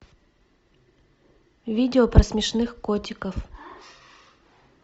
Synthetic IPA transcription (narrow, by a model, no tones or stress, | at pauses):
vʲidʲɪopɾɐsmʲɪʂnɨxkotʲɪkəf